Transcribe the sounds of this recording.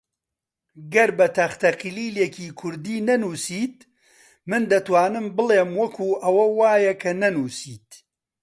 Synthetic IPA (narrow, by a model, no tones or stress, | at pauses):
ɡɐɾbɐt̪ʰɐxt̪ɐqiliːlekʰiːkʰʊɾd̪iːnɐnuːsiːt̪̚ | mɨnd̪ɐt̪waːnɨmbɨleːmwɐkʰuːʔɐwɐwaːjɐkʰɐnɐnuːsiːt̪